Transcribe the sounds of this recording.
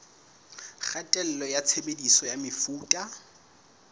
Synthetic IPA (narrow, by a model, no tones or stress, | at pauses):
χatʼɛl̩lɔjat͡sʰebedisɔjamɪfuːtʼa